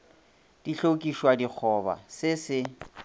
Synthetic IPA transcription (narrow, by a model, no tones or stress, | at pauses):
d̥iɬokʼiʃwadik͡xʰɔba̰sɪsɪ